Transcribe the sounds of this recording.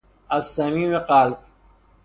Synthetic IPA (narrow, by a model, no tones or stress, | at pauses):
ɐsːɐmĩːmeqaːlk